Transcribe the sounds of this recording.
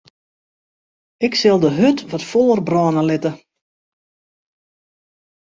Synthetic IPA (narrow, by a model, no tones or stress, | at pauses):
ɪksɪlˠdəɦøtʋɔtfɔlˠərbrɔːnəlɪtə